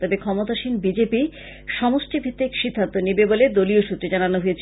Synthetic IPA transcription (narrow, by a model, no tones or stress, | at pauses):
t̪ɔbekʰɔmot̪aʃinbid͡ʑepi | ʃɔmosʈibʱit̪ːikʃid̪ʱːant̪onibeboled̪olioʃut̪ːɾed͡ʑananoɦojet͡ɕʰ